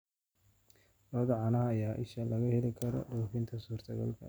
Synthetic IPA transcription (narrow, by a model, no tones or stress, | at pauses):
lɔːd̪ɐʕɑnɐɦɐːjaːʔɪʃɐlɐɣɐhɛlɪkʰɐɾɔ̰ɖuːfɪnt̪ʰɐsuːrt̪ʰɐɣɐ̰lkʰɐ̰